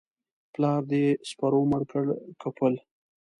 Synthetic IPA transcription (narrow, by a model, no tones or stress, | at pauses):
plɑːɾd̪espaɾoməɾkəɽkapəl